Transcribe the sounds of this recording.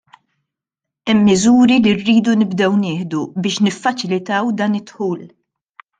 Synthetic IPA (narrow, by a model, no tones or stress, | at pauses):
ɛmːɪzuːɾilirːiːd̪unɪbd̪ɛwnɪːħd̪ubɪːʃnɪfːɐt͡ʃɪlɪt̪ɐwd̪ɐːnɪt̪ːħuːl